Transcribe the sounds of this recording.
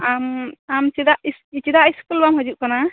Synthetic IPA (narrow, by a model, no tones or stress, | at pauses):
amamt͡ʃid̪aisit͡ʃid̪aiskulbamɦɔd͡ʒuʔ̚kana